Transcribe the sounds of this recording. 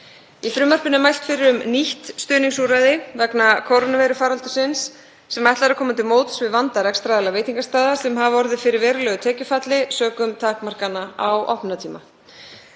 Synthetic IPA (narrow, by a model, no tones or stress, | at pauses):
ifɾʏːmar̥pɪnɪmajlt̪fɪɾɪɾʏmniht̪st̪ʏːniŋsuɾaðɪvɛknakʰowɾonavɛjɾʏfaːɾalt̪ʏ̥sɪnsː | ɛmajht̪laɾʏɾkʰɔːmat̪ʰɪmoːwt̪svɪðvant̪aɾɛkst̪ɾaːðɪlaveːjt̪iŋkast̪aːðasɛmɦavɔɾðɪfɪɾɪɾvɛːɾʏlɛːɣʏt̪ʰɛːcʏfat̪lɪsœːkʏmt̪ʰaːkmar̥kanaawʔɔhpnat̪ʰiːma